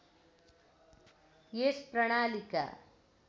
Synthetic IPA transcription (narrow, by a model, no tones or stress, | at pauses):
jespɾɐɳaːlika̰